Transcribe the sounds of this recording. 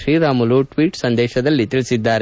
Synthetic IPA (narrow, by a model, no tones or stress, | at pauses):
ʃɾiːɾaːmuluʈʋiːʈsɐnd̪ɛːʃɐd̪ɐlːit̪iɭisid̪ːaːɾe